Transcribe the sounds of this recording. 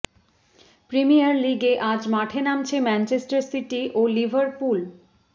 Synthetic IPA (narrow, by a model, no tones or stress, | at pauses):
pɾimijaɾliɡeʔad͡ʑmaʈʰenamt͡ɕʰemɛnt͡ɕesʈaɾsiʈiʔolibʱaɾpul